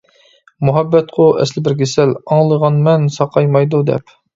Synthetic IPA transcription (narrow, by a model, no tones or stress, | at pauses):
muɦæbːɛt̪qʰoʔɛ̰slɪbɪɾɡʲesælɑŋlˠəʁɑnmɛnsɑqʰɑjmɑjd̪ud̪ɛ̰p